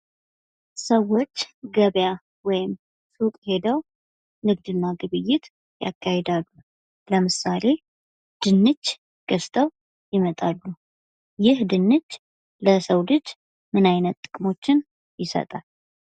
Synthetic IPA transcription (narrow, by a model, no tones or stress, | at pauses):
səwːo̞t͡ʃːɡəβja | wɔjɪm | sukʼhe̞d̪əw | nɨɡ̚d̪ɨnːaɡɨβɨjːɪt̪ | ja̰kʰːahed̪alːu | ləmɨsale̞ | d̪̥ɨnːɨd͡ʒː | ɡ̥əst̪ʰəw | jɪmət̪ʼalːu | jɪhd̪ɨnːɨt͡ʃː | ləsəwlɨd͡ʒ | mɨnajnət̪ːʼɨkʼmo̞t͡ʃːɪn | jɪsə̰t̪ʼal